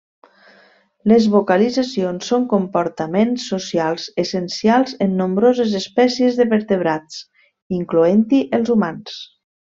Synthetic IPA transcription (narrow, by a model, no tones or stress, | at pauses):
ləzβokəlid͡zasionsːoŋkompoɾt̪əmensːusialˠzesənsialˠzenːombɾozezespɛsiezðəβəɾt̪əβ̞ɾat͡s | iŋkluent̪iʔəlˠzumans